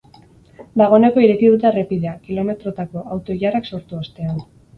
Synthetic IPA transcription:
d̪aɣ̞one̞ko̞iɾe̞kiðut̪̬erepiðe̞akilo̞me̞t̪ɾo̞t̪ako̞awt̪o̞iʝarakso̞ɾt̪uost̪e̞an

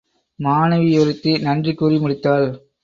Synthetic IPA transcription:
maːnɐʋɪjɔɾɯt̪ːinɐndrikuːrimʊɽɪt̪ːaːl

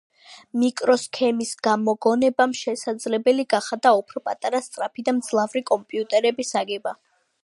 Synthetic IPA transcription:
mikʼɾɔskʰɛmisɡ̥amɔɡɔnɛbamʃɛsad̪zlɛbɛliɡaχad̪aɔpʰɾɔpʼat̪ʼaɾast̪sʼɾapʰid̪amd̪z̥lˠavɾikʼɔmpʼiut̪ʼɛɾɛbisaɡɛba

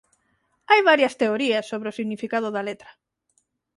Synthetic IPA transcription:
ajβaɾjɐst̪eoɾiɐsːoβɾeosiɣnifikað̞ʊðɐlet̪ɾɐ̥

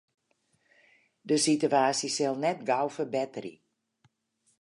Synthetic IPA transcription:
dəsityaːsisɪlˠnɛtɡawfərbɛtərḭ

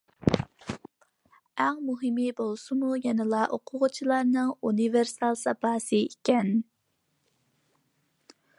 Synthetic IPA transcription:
æŋmuɦɪmibolˠsɨmujɛnɪlˠɑʔoqʰʊʁʊt͡ʃʰilˠɑɾnɨŋuniveɾsɑlˠsɑpɑːsɨikʲɛn

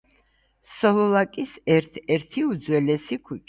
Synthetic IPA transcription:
sɔlˠɔlakʼisɛɾt̪ʰɛɾt̪ʰiud̪zwɛlɛsikʰwut͡ʃʼ

